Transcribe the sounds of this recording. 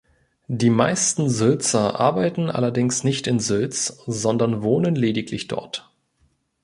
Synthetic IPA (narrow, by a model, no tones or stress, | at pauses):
diːmaɪstn̩zʏlt͡sɐʔa̰ɐbaɪtn̩ʔa̰lɐdɪŋsnɪçtɪnzʏlt͡szɔndɐnvoːnənleːdɪkʰlɪçd̥ɔ̰ɐt